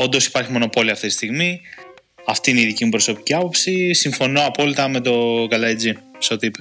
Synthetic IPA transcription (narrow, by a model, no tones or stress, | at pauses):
o̞nd̪o̞si̥pɐɾçimo̞no̞po̞liɐft̪it̪i̥st̪iɣmi | ɐft̪iineiðicimupɾo̞sopi̥ciɐpo̞psisiɱfo̞no̞ɐpo̞lit̪ɐme̞t̪o̞ɡɐlɐid͡ziseo̞t̪iipɐ